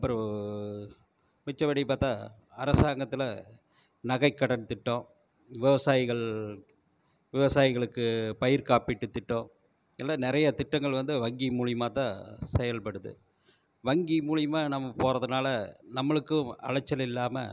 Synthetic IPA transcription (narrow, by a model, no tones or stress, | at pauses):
ɐpːɯɾɐ̃ | mɪt͡ʃːɐʋɐɽipaːɾt̪ãː | ɐɾɐsaːŋɡɐt̪ːɪlɐ | nɐɣɐɪkːɐɽɐnt̪ɪʈːõː | ʋɪʋɐsaːjɪɣɐɭ | ʋɪʋɐsaːjɪɣɐɭɯkːɯpɐjɪɾkaːpɪʈːɯt̪ːɪʈːõː | ɛlːaːnɪɾɐjɐt̪ɪʈːɐŋɡɐɭʋɐnd̪ɯʋɐŋɡimuːɻɪjmaːt̪ã̰ːsɛjɐlpɐɽɯðɯ̰ | ʋɐŋɡimuːɻɪjmaːnɐmːɐpoːɾɐðɯnaːlɐnɐmːɐɭɯkːɯɐ̰ɻɐt͡ʃːɐlɪlːaːmɐ̰